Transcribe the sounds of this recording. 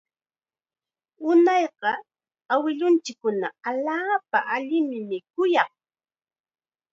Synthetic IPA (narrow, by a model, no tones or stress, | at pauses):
ʊnɑjqɑ | awɪʎʊnt͡ʃɪkːʊnaaʎaːpaʔaʎɪmɪmɪkʊjɑχ